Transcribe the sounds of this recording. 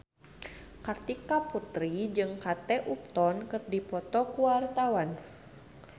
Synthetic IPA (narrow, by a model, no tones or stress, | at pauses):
kart̪ikaput̪ɾid͡ʒɨŋkat̪ɛʔup̚t̪ɔnkɨrdipɔt̪ɔkuwart̪awan